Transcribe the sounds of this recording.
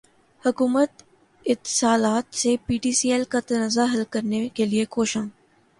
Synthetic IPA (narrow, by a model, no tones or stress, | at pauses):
hʊkuːmət̪ | ɪt̪ːɪ̥saːlaːt̪sepiːʈiːsiːɛlkat̪ɐnaːzaɦɐlkɐɾnekeliekoːʃãː